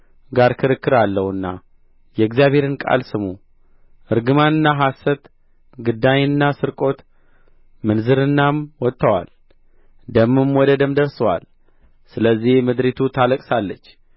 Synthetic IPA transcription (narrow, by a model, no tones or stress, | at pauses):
ɡaɾkʰɨɾɨkːɨɾalːəhɨnːa | jɛɨɡzjaβhe̞ɾɨnkʼa̰lsɨmu | ʔɨɾɡɨmanɨnːaɦasət̪ | ɡɨd̪aɲɨnːasɨɾkʼo̞t̪ | mɨnzɨɾɨnːamwɔt̪ʼːəwa̰l | d̪əmːɨmwɔd̪əd̪ɨmd̪əɾsəwa̰l | sɨləzːihmɨd̪ɾit̪ʰut̪ʰaləkʼsalːət͡ʃː